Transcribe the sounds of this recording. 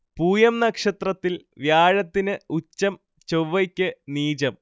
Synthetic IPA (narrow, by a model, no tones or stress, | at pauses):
puːjɐmnɐkʂɐt̪rɐt̪ːilʋjaːɻɐt̪ːinɨut͡ɕːɐm | t͡ɕowʋːɐkʲːɨniːt͡ɕɐm